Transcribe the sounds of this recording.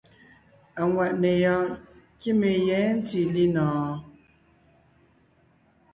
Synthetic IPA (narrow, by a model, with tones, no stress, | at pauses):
a˨ŋwa˨ʔne˨jɔ˦ | ki˦me˨jɛ˨˦n̩˦ti˨li˦nɔː˨